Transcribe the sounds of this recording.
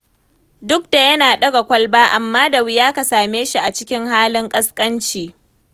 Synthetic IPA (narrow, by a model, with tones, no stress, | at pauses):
dʊ˦k̚da˨jɐ˦naː˨ɗɐ˦ɡa˨kʷɐ˦lbaː˦ʔa˨mːaː˦da˨wɪ˦jaː˦ka˨saː˨meː˦ʃi˦ʔa˨t͡ʃɪ˦kʲɪ˦ŋhaː˦lɪ˦ŋkʼɐ˦skʼɐ˦nt͡ʃiː˨